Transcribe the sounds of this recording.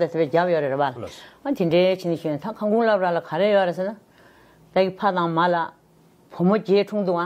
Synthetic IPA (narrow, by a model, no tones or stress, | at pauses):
t̪at̪ʰepeːcaʔjøɾeɹeʔalʔənt̪ʰiɳɖ͡ʐɛːt͡ɕʰiniɕuːt̪akʰaŋɡuŋlap̚ʈ͡ʂalakʰaɾejøɾesenːa | t̪akipʰat̪aŋmala | pʰomoceːʈ͡ʂʰuŋt̪uʔa